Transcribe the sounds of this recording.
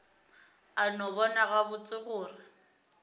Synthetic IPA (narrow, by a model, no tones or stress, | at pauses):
anɔβɔnaɣabʊt͡sʼɪɣʊːrɪ